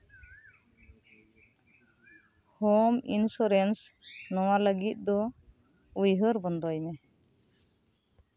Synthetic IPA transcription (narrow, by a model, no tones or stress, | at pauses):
hɔmḭnsɔɾɛnsnɔwaləɡit̪̚ˀd̪ɔ | ujɦəɾbɔnd̪ɔjmɛ